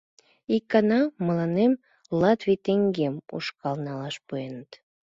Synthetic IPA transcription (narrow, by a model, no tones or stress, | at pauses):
ikːɑnɑməlɑnem | lɑt̪vit̪eŋɡemṵʃkɑlnɑlɑʃpuenət̪